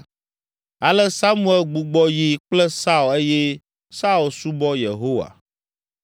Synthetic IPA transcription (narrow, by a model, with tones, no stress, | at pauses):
a˨lɛ˦sa˦mũ˦ɛ˨lɡ͡bu˨ɡ͡bɔ˦ji˨k͡ple˦sa˦u˨e˦je˦ | sa˦u˨lsu˦bɔ˦je˨ɦo˦wa̰˨